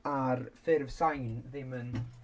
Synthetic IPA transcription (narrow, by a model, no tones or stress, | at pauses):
arfɪrvsajnðɪmən